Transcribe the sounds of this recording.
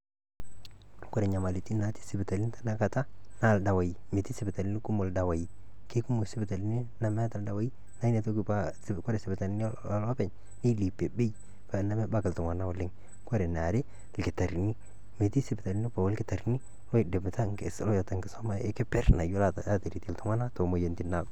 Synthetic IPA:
kɔ˦ɾɛ˨ɲa˨ma˨li˨ti˦na˨ti̥˦si˨bɪ˨ta˨li˦n˦ta˦na˦ka˨ta˦na˨lda˨wa˨ji˨me˨ti˦sɪ˨bɪ˨ta˨li˦ni˦ku˦mo˨lda˨wa˨ji˨ | ke˦ku˦mo˨si˦bɪ˨ta˨li˦ni˦na˨mɛ˦ta˨lda˨wa˦ji˦ | na˦i˦ne˨to˦kpa˦ | kɔ˦ɾɛ˨sɪ˨bɪ˨ta˨li˦n˦˨la˦pɛ˨ɲ | ni˦li˨pːe˨be˦j | pa˨na˦me˦ba˦kɪ˨ltʊ˨ŋa˨na˦wo˨lɪ˦ŋ | ko˦ɾe˨na˨ɾi˦ | lkɪ˨ta˨ɾni˦ | me˨ti˦sɪ˨bɪ˨ta˨li˦ni˦pa˨wo˦lkɪ˦ta˨ɾni˦ | o˦˨dɪ˨bta˦ŋkɪ˨slo˦ja˨ta˨ŋkɪ˨so˦ma˦ɪ˦kɪ˦pɛ˦ɾna˨ju˦la˨ta̰˨a˦ti˨ɾi˨ti˨ltu˨˦ŋʷwa˦na˦to˨mo˨je˨nti˦na˨k

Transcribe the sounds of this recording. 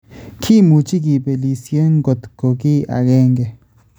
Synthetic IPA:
kʰiː˦muː˨t͡ʃi˦k̬i˨pe˨liː˨sije˦ŋɡo˨t̪ko˨kiː˦ʔa̰˨ɡeː˦ŋɡe˨

